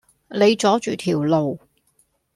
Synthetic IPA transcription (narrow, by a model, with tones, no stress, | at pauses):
le˨˧jt͡sɔː˨˥t͡ʃyː˨t̪ʰiː˨˩wlo˨w